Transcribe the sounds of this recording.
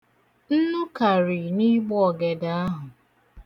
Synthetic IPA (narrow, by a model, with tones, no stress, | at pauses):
n̩˦nʊ˦ka˨ɾi˨ni˦ɡ͡bɔ˦ɔ˨ɡe˨da˨a˦ɦʊ˨